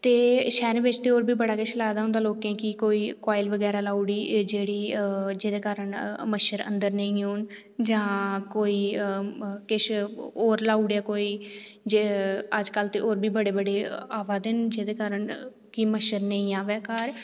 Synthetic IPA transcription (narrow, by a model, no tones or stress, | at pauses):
t̪eːʃɛːɾẽːbɪt͡ʃt̪eːoːɾbʱiːbəɽaːkɪʃlaːd̪aːʊ̃nd̪aːloːkẽːkɪkoːiːkaːɪlʋəɡɛːɾaːlaːuɽiːd͡ʒeːɽiːd͡ʒeːd̪eːkaːɾəɳməʃəɾə̰̃nd̪əɾnəĩːoːn | d͡ʒãːkoːiː | kɪʃoːɾlaːuɽaːkoːiːd͡ʒeəd͡ʒkəlt̪eːʔoːɾbʱiːbəɽeːbəɽeːaːʋaːd̪ɪnd͡ʒeːd̪eːkaːɾəɳ | kiməʃəɾnəĩːaːʋɛːkaːɾ